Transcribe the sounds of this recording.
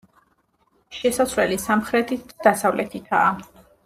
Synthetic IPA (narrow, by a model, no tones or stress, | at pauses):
ʃɛsasvlɛlisamχɾɛt̪ʰit̪ʰd̪ad̪asavlɛt̪ʰik̪ʰa̰ː